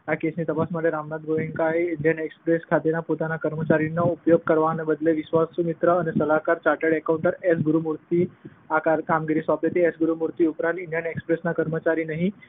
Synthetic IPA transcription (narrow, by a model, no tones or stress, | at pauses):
jakesniːt̪əpasməd̪ʱːeɾamnat̪̚ɡoeŋɡkajiɳɖjənekspɾeskʰat̪enapot̪anakəɾmət͡ɕaɾinːaupjoɡ̚kəɾʋanebəd̪leʋisʋasumit̪ɾəːnesəlakaɾt͡ɕaʈəɽekawɳʈəɾesɡuɾumuɾt̪iː | akaɾkamɡiɾiːsʋaplet̪eesɡuɾumuɾt̪iupɾãnt̪iɳɖijənekspɾesnakəɾmət͡ɕaɾiːnaɦi